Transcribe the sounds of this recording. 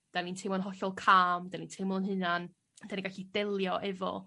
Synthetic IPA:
d̥anintʰemɔnɦɔɬɔlˠkʰaːmdanintʰemlˠənɦɨnan | d̥aniɡaɬidɛlˠjɔʔɛvɔ̰

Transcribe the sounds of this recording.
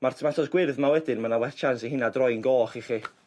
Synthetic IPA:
marmatʰɔsɡ̥wɪrðmawɛdɪnmanawɛθt͡ʃʰansiɦɪnadrɔjnɡoːχiχi

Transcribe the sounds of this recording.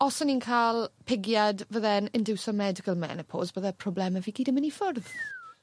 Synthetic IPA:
ɔsɔniːnkʰalˠpʰɪɡjadvəðɛnɪnduwsɔmɛdɪkʰəlˠmɛ̰nəpʰo̰ːzvəðɛpʰr̥ɔblɛməviːɡiːdəmənifʊrð

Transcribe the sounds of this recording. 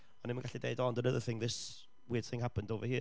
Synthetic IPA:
ɔnɪmənɡaɬideɨdɔndənəðəθɪ̃ŋðɪs | wɪəd̥θɪ̃ŋɦapəndoːvəhiː

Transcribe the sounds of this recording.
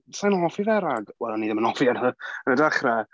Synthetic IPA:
sajnɔfiðɛɾaɡwɛlˠaniːðəmənɔfjanəənədaχrɛ

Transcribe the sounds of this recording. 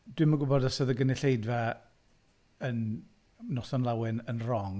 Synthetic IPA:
d̥wɪmaɡʊbɔdasəðəɡənɪɬejdva | ən | nɔsɔnlˠawɪnənrɔŋ

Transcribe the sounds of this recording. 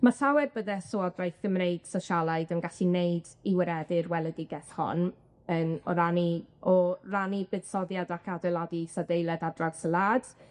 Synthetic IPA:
masawɛrbəðɛsoɔdrajθɡ̥əmneɨd̥saʃalˠaɨdənɡaɬineɨdiwəɾɛdɨrwɛlˠədɪɡɛθhɔ̰n | ənɔ̰ɾaniʔɔranibɨð̥sɔdjadakʰadɛlˠadisadejlˠɛdadraɡsəlˠaːd̥

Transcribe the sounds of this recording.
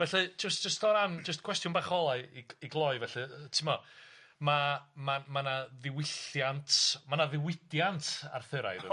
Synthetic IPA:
vɛɬɨd͡ʒəstʒəstɔɾand͡ʒəs̬tkʰwɛstjʊnbaχɔlˠaɨiiɡlˠɔɨvɛɬɨtʰɪmɔ | mamamanaðɪwɪɬjantʰmanaðɪwɪdjantʰa̰rθɨɾa̰jðɨ̰

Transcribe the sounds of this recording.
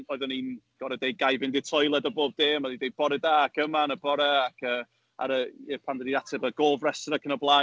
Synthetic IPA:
ɔɨðɔninɡ̥ɔɾɛdejɡajvɪndɪtʰɔjlˠɛdɔboːb̚d̥eːmadidejb̥ɔɾɛdaːakʰəmanəbɔɾɛakʰə | a̰ɾəɛpʰandədiatʰɛbəɡoːvrɛsɔɾakʰənɔblˠa

